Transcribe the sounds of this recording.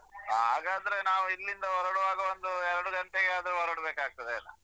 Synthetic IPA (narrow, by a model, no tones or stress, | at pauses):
ɦa̰ːɡaːd̪ɐɾe̞naːʋuilːind̪ɐɦɔɾɐɽɐʋaːɡɐond̪uɛɾɐɽuɡɐɳʈeɡeaːd̪ɾuɦɔɾɐɽɐbeːkaːɡ̚t̪ɐd̪eɐlːɐ̰